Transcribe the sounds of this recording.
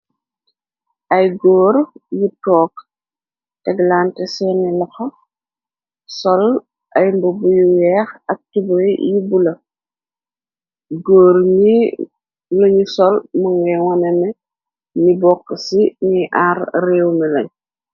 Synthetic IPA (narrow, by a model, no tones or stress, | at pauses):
ʔɐjɡɔːɾjitɔːk | tɛɡlaːntɛsɛnɛlɐxɐ | sɔl | ʔɐjmbubujuwɛːxɐk̚tibɔjjibulɐ | ɡoːɾɲi | lɐɲisɔlmɐŋɡɐjwɔnɛnɛ | nibɔkːəsiniʔarrɛːwmilɐɲ